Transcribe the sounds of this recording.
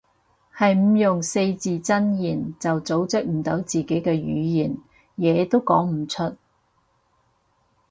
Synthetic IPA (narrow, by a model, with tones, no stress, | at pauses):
hɐ˨jm̩˨˧jʊ˨ŋse˧jt͡siː˨t͡sɐ˥njiː˨˩nt͡sɐ˨wt͡so˨˥wt͡sɪ˥k̚m̩˨˩t̪o˨˥wt͡siː˨˩ke˨˥jkɛː˧jy̰ː˨˧jiː˨˩n | jɛː˨˧t̪o˥wkɔ̰ː˨˥ŋm̩˨˩t͡ʃʰɵ˥t̚